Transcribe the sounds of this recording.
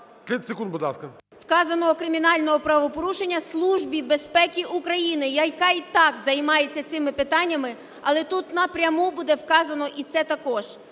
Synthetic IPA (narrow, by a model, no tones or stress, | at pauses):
kʲesekunbʊd̪lˠa̰skɐ | wkɑzɐnɔɦɔkɾɪmʲinɑlʲnɔɦɔpɾɐʋɔpɔɾuʃenʲːɐslˠuʒbʲibespɛkʲiʔukɾɐjinɪjɐjkɑjt̪ɑkzɐjmɑjet͡sʲːɐt͡sʲɪmɪpɪt̪ɑnʲːɐmɪ | ɐlˠɛt̪ut̪nɐpɾʲɐmubud̪ɛwkɑzɐnɔʔit̪sɛt̪ɐkɔʒ